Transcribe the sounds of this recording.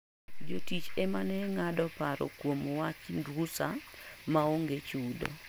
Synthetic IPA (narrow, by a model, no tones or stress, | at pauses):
d͡ʒotit͡ʃemanɛŋadɔpaɾɔ̰kwomwat͡ʃndwusamaoŋɡet͡ʃudo̰